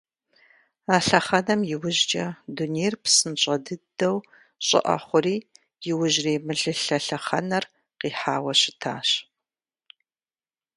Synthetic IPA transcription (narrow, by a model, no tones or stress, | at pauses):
aːɬɐχɐnɐmjɪwʊʑd͡ʒʼɐdunejrpsɨnɕʼɐdɨdɐw | ɕʼɪ̰ʔɐ̰χʷʊriː | jɪwʊʒreːmɨɮɨɬɐɬɐχɐnɐr | qiːħaːwɐɕɪtʰa̰ːɕ